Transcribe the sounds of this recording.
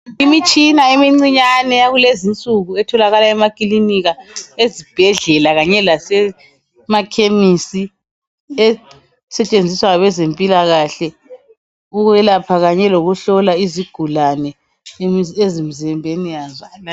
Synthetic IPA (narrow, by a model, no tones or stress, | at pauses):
imit͡ʃʼinaemiŋ͡ǀiɲanɛjaɣulezint͡sʼuɣuɛtʰɔlaɣalaɛmakʼiliniɣaezib̥ʱɛɮɛlaɣaɲɛlasɛ | makʰemisi | ɛ | sɛt͡ʃʼend͡zʱiswaaβɛzempʼilaɣaɬɛ | uɣwɛlapʰaɣaɲɛloɣuɬɔlaiziɡ̥ʱulanɛ | miezimizɛmbʱenijaza